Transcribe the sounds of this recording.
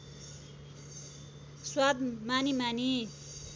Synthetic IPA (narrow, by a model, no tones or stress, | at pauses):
swad̪manimani